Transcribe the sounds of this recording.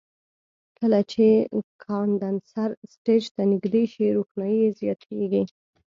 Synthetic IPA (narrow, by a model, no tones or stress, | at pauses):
kəlat͡ʃekʰɑnd̪ansaɾsʈed͡ʒt̪anɪɡd̪eʃiɾoxnɑjijezjɑt̪ʰeɡi